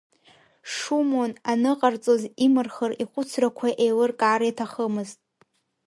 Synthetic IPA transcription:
ʂumonanɨqʼart͡sʼozimɨrχəriχʷʊt͡sʰrakʷʰaʔejlɨrkʼaːɾjatʰaχəmɨztʼ

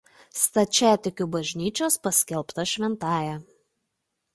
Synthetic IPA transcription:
st̪ɐt͡ʃʲæːt̪ʲɪkʲuˑbɐʒʲnʲiːt͡ʃʲoːspɐsʲkʲɛlˠpt̪ɐʃʲʋʲɛnt̪ɑːjɛ

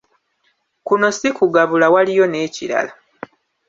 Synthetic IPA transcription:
kuno̞sikuɡaβulawalijo̞ne̞ːciɾa̰la

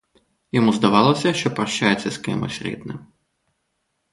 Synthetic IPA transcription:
jɔmuzd̪ɐʋɑlˠɔsʲɐʃt͡ʃɔpɾɐʃt͡ʃajet͡sʲːɐskɪ̰mɪ̰sʲɾʲḭd̪nɪ̰m

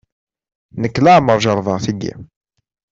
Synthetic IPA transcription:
nəkːlaʕməɾˤʒɑɾˤðˤɑθiɡḭ

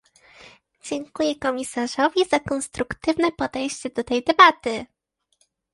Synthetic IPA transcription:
d͡ʑɛŋkujɛkɔmʲisaʐɔvʲizakɔnst̪ɾukt̪ɘvnɛpɔd̪ɛjɕt͡ɕɛd̪ɔt̪ɛjd̪ɛbat̪ɘ

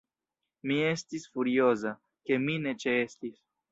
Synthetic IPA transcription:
mie̞stisfuɾio̞za | ke̞mine̞t͡ʃe̞estis

